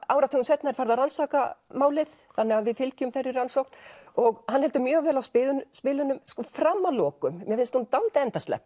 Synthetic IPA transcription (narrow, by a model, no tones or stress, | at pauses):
aːwɾat̪ʰʏknsɛt̪naɛɾ̥faɾðaransaːkamaːwlɪð̥ | θanːɛɣaðvɪðfɪlcʏmθɛrːɪransowkn̥ɔɣhanhɛlt̪ʏmjœːɣvɛːlawspɪːðʏspɪːlʏnʏmskɔfɾamːalɔːkʏmmjɛfɪnst̪hunt̪alt̪ɪɛnt̪ast̪lɛ̰p